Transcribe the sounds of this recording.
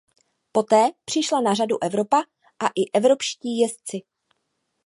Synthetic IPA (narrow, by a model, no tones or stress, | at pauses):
po̞t̪ɛːpr̝̥ɪʃlanaraduʔɛvɾo̞pa | ʔaʔɪʔɛvɾo̞pʃciːjɛst͡sɪ